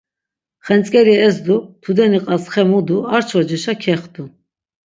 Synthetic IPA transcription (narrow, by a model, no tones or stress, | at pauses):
χɛnt͡sʼkʼɛɾiɛzd̪ut̪ʰud̪ɛniqʼasχɛmud̪uaɾt͡ʃʰɔd͡ʒiʃakʰɛχd̪u